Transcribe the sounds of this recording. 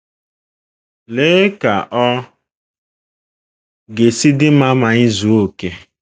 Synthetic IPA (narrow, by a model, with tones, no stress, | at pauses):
le˦ka˨ʔɔ˦ | ɡe˨si˦dɪ˦ma˦ma˨ɲɪ˦zu˨o˦ke˦